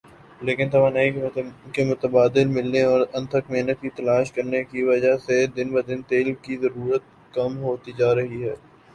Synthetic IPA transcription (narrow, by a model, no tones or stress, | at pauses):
leːkɪnt̪ɐʋaːnaːikemʊt̪əbaːd̪ɪlmɪlneɔːɾɐ̃nt̪ʰəkmeːnət̪̚kit̪ɐlaːʃkɐɾnekiʋɐd͡ʒased̪ɪnbɐd̪ɪnt̪eːlkizɐɾuːɾət̪̚ | kɐmɦoːt̪id͡ʒaːɾɐɦiɦɛː